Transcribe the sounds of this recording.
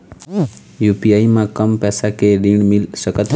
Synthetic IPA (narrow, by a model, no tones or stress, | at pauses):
jupiaːimãkəmpɛsakeɾiɳmɪlsəkət̪